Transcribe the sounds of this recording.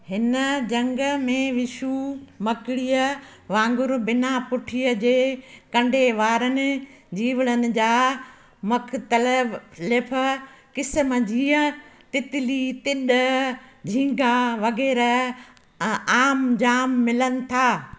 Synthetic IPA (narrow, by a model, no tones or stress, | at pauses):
hɪnəd͡ʑɐ̃ŋɡmẽʋɪʃuːmɐkɪɽijə | ʋãːŋɡʊɾbɪnapʊʈʰijəd͡ʑeːkɐ̃ɳɖʱeʋaːɾənɪ̆ | d͡ʑiːʋəɽ̃ənɪ̆d͡ʑaː | mʊkt̪əllɪpʰkɪsməd͡ʑiːə̃t̪ɪt̪ɪlit̪ɪɗəd͡ʑʱĩːŋɡaʋɐɣɛːɾə | aːmd͡ʑaːmːɪlənɪ̆t̪ʰaː